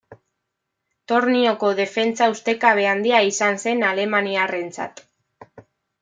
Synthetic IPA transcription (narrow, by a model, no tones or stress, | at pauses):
t̪o̞ɾnio̞ko̞ðe̞fe̞nt͡saust̪e̞kaβ̞e̞and̪iaisanse̞nale̞maniare̞nt͡sa̰t̪